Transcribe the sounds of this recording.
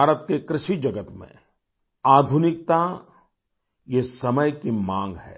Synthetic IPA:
aːɾət̪kekɾɪʃid͡ʒɐɡət̪mḛ̃ | aːd̪ʱunɪk̚t̪a | jesɐməjkimãːŋɡɦɛ̰ː

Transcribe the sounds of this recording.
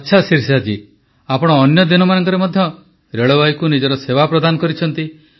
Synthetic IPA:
atːʃʰasiɾsad͡ʒi | apɔɽ̃ɔːnjɔd̪inɔmanɔŋkɔɾemɔd̪ʱjɔ | ɾeɭobajkunid͡ʒɔɾɔsebapɾɔd̪anɔkɔɾit͡ʃʰɔnt̪i

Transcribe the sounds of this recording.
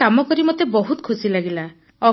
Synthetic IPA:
amɔkɔɾimɔt̪ebɔɦut̪ɔ̥kʰusilaɡila | ɔ

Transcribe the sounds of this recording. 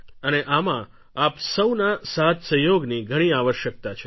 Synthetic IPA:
əneʔamã | apsəwnasat̪səɦjoɡniɡʱəɽ̃iaʋəʃjək̚t̪at͡ʃʰe

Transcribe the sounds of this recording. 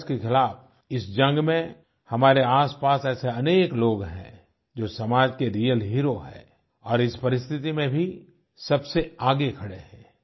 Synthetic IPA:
skexɪlaːf | ɪsd͡ʒɐ̃ŋɡmẽ | hɐmaːɾeaːspaːsɛːseɐneːkloːɡɦɛ̰̃ | d͡ʒoːsɐmaːd͡ʒkeɾiːjəlɦiːɾoɦɛ̰ː | ɔːɾɪspɐɾɪst̪ʰɪt̪imẽbʱi | sɐbseaːɡekʰɐɽeɦɛ̰̃ː

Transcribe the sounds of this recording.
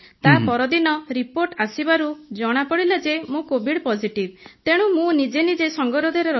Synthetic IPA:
t̪apɔɾɔd̪inɔɾipoɾʈasibaɾud͡ʒɔɽ̃apɔɽilad͡ʒemũkobʱiɽpɔsiʈib̚t̪eɽ̃ũmũnid͡ʒenid͡ʒesɔŋɡɔɾɔd̪ʱɔɾeɾɔ

